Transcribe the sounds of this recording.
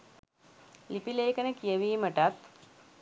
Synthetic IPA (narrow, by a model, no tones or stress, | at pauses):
lipileːkənəkijəʋiːməʈat̪